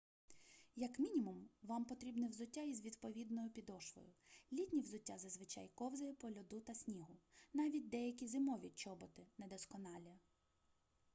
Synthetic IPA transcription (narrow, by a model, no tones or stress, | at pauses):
jɐkmʲinʲimʊmʋɑmpɔt̪ɾʲibnɪwzʊtʲːaizʋʲid̪pɔʋʲid̪nɔjʊpʲid̪ɔʃʋɔ̰jʊlʲit̪ʲnʲiwzʊtʲːazɐzʋɪt͡ʃɑ̰jkɔwzɐjɪpɔlʲɔd̪ut̪ɐsʲnʲiɦʊnɑʋʲit̚ʲd̪ɛjɐkʲizɪmɔʋʲit͡ʃɔbɔt̪ɪnɛd̪ɔskɔnɑlʲɐ